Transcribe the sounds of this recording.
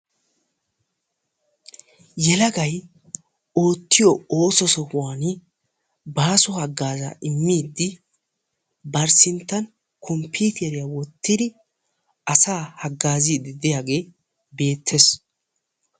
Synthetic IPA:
jɛlɐɡɐj | o̞ːt̪ʰːɪjɔo̞ːsɔsɔhʊwaːnɪ | baːsɔhɐɡːaːza̰ʔɪmːiːd̪ːɪ | bɐɾsɪnt̪ːɐn | kʰɔmpiːt̪ɛɾɪjawɔt̪ːɪd̪ɪ | ɐsaːhɐɡːaːziːd̪ɪd̪ɪjaːɡe̞ː | be̞ːt̪ʰːɛs

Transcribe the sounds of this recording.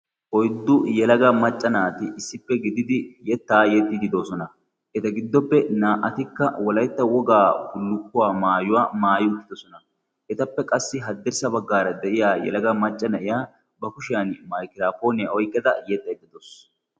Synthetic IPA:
ʔɔjd̪ːʊjɛlɐɡɐmɐt͡ʃʼːɐnaːt̪ɪʔɪsːɪpːɛɡɪd̪ɪd̪ɪjɛt̪ːaːjɛt̪ʼːid̪ɪd̪o̞ːsɔnɐ | ʔɛt̪ɐɡɪd̪ːɔpːɛnaːʔɐt̪ɪkːɐwɔlɐjt̪ːɐwɔɡaːʊlːʊkːʊwaːmaːjʊwaːmaːjɪʊt̪ːɪd̪ɔsɔnɐ | ʔɛt̪ɐpːɛkʼɐsːɪɦɐd̪ːɛɾsɐbɐɡːaːɾɐd̪ɛʔɪjaːjɛ̰lɐɡɐmɐt͡ʃʼːɐnɐʔɪjaː | bɐkʊʃɪjanmɐjkɪɾaːpo̞ːnɪjaʔɔjkʼːɛd̪ɐjɛt̪ʼːɐɛt̪ʼːɪd̪os

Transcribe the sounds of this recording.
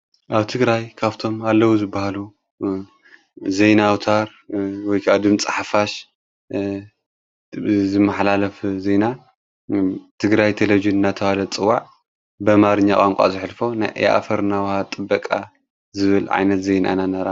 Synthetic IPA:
ʔaβt̪ʰɨɡɾajkʰaβt̪ʰo̞malːɐwuzɨbːahalu | zejnawt̪ʰaɾ | wɔjkʰad̪ɨmt͡sʼaħafaʃ | zɨmːɐħlalɐfzejna | t̪ʰɨɡɾajt̪ʰelɐvid͡ʒɨnɨnːat̪ʰɐβalɐt͡sʼɨwːaʕ | bɐmaɾɨɲːakʼaŋkʷʼa̰zɨħlfo̞najʔḛʔa̰fɐɾnawhat̪ʼɨbːɐkʼa | zɨβɨlʕa̰jnɐt̪zejna̰nanɐɾa

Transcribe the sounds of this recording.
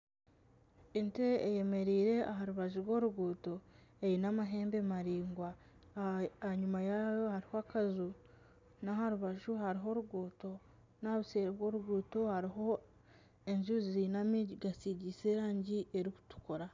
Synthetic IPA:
enteːjeme̞ɾiːɾe̞aɦaɾuβaʒuɾwo̞ːɾuɡuːto̞eɾinamaɦe̞ːmbe̞maɾiːŋɡwa | aɲumajajohaɾihoakazu | nahaɾuβaʒuɦaɾiɦo̞ɾuɡuːto̞ | naβuseːɾeβwo̞ːɾuɡuːto̞haɾiɦo̞ | e̞ɲʒuzinamiɟiɡasiɟiseɾaːɲɟiʔeɾiku̥tu̥koɾa

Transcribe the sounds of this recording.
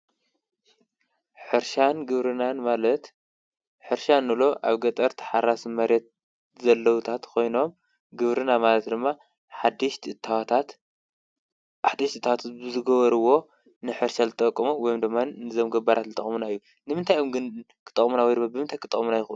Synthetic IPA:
ħɨɾʃanɡɨβɾɨnanmalɐt̪ | ħɨɾʃanːɨlo̞ʔaβɡɐt̪ʼɐɾt̪ʰħaɾasmɐɾjɛt̪̚ | zɐlːɐwut̪ʰat̪kʰo̞jno̞m | ɡɨβɾɨnamalɐt̪d̪ɨmːa | ħad̪ɨt̪t̪at̪ | ħad̪ɨʃt̪ɨt̪ʰːawat̪ʰat̪̚bɨzɨɡɐβɐɾɨwo̞ | nɨħɨɾʃazɨt̪ʼɐkʼːɐmuwɔjomd̪ɨmːannɨzomɡɐbaɾat̪zɨt̪ʼɐ̰χʼmunaɨjːu | nɨmɨnt̪ʰajomɡɨn | kʰɨ̥t̪ʼɐ̰kʼmunawɔjd̪ɨmːabɨmɨnt̪ʰajkʰɨt̪ʼɐxʼmunajɪxʔ

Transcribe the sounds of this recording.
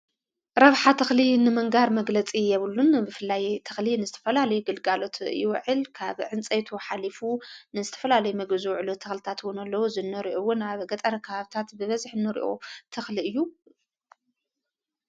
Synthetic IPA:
ɾɐβħat̪ʰɐxlinɨmɐŋɡaɾmɐɡlɐt͡sʼijɛβɨlːunbɨfɨlːajt̪ʰɐxlinɨzɨt̪ʰɐ̥fɐlalɐjuɡɨlɡalo̞t̪ʰjɪwʕɨlkʰaβʕɨnt͡sʼet̪ʰuħalifunɨzɨt̪ʰɐ̥fɐlalɐjumɐɡɨzuwʕɨlut̪ʰɐxlɨt̪ʰat̪wʊnɐlːɐwuzɨnːɨɾiʔowʊnaβɡɐt̪ʼɐɾɐkʰɐβaβt̪ʰat̪bɨβɐzħnːɨɾḭʔo̰t̪ʰɐxliɨjːu

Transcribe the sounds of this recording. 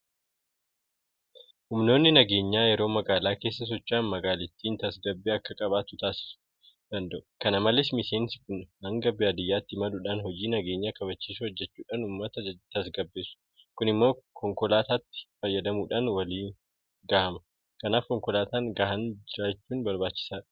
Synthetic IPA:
hʊmno̞ːnːɪnɐɡe̞ːɲːaːjɛɾo̞ːmɐɡaːlaːke̞ːsːɐs̬ɔt͡ʃːaːnmɐɡaːlɪt̪ːiːnt̪ɐsɡɐbːeːɐkːɐkʼɐbaːt̪ʊt̪aːsɪ̥sʊ̥ | d̪̥ɐnd̪ɐʔʊ̥kɐnɐmɐlɪsmɪse̞ːnsɪkʊnhɐŋɡɐbːeɐd̪ɪjːaːt̪ːɪmɐᶑʊᶑanhɔd͡ʒiːnɐɡe̞ːɲːakɐbɐt͡ʃːiːsʊhɔd͡ʒːɛt͡ʃːuːᶑaːnʊmːɐt̪ɐt̪ɐsɡɐbːe̞ːsʊ̥ | kʊnɪmːo̞ːkʰɔŋkɔlaːt̪aːt̪ːɪ̥fɐjːɐd̪ɐmuːᶑaːnwɐliː | ɡaːhɐmɐ | kɐnaːfkɔŋkɔlaːt̪aːŋɡaːhɐnd͡ʒɪɾaːt͡ʃːuːnbɐɾbaːt͡ʃːɪ̥saːᶑɐ̥

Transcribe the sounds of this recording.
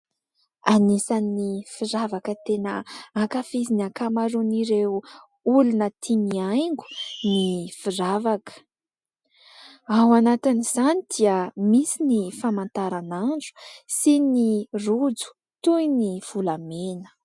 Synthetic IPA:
anisanːifiɾavakət̪enəakafizinakamaɾuniɾe | ulunət̪ʰimiajŋɡu̥nifiravakə̥ | awanat̪iniz̥anid̪̥iəmisinifamant̪aɾananɳɖ͡ʐu̥sinirud͡zu̥ | t̪ujniv̥ulamenə̥

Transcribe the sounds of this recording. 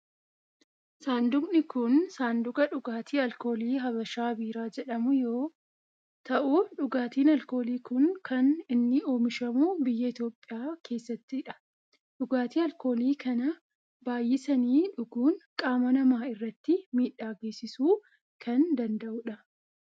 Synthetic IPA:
saːnd̪ʊmnɪkʊnsaːnd̪ʊɡɐᶑʊɡaːt̪ʰiːɐlko̞ːliːɦɐbɐʃaːbiːɾaːd͡ʒɛᶑɐmʊjo̞ː | t̪ɐʔuᶑʊɡaːt̪iːnɐlko̞ːliːkʊnkɐnɪnːɪo̞ːmɪʃɐmuːbɪjːɐɪt̪jo̞ːpʼːɪjaːkʰe̞ːsːɐt̪ːɪːᶑɐ̥ | ᶑʊɡaːt̪iːɐlko̞ːliːkʰɐnɐ | baːjːɪsɐniːᶑʊɡuːnkʼaːmɐnɐmaːɪrːɐt̪ːɪmiːᶑːaːɡe̞ːsɪsuː | kʰɐnd̪ɐnd̪ɐʔʊᶑɐ

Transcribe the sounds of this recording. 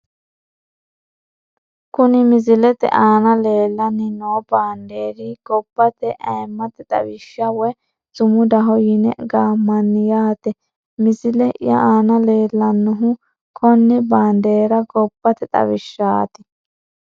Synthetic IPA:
kʊnɪmɪzɪlɛt̪ɛ̰ʔaːnɐleːlːɐnːɪnoːbaːnd̪eːɾɪɡ̥ɔbːɐt̪ɛʔɐɛmːɐt̪ɛt̪ʼɐ̰wɪʃːɐwɛ | z̥ʊmʊd̪ɐɦɔjɪnɛ̰ɡaːmːɐnːɪjaːt̪ɛ | mɪzɪlɛʔjɐ̰ʔaːnɐle̞ːlːɐnːʊɦʊ | kʰɔnːɛbaːnd̪eːɾɐɡɔb̥ːɐt̪ɛt̪ʼɐ̰wɪʃːaːt̪ɪ

